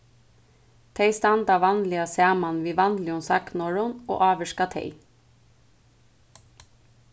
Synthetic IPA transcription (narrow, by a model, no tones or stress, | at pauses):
t̪ʰeɪst̪ɑnd̪ɑʋɑnlɪɑsæːmɑnʋiːʋɑnlɪʊnsɑ̰knɔɹʊno̰ːʔɑːʋəʃkɑt̪ʰḛɪ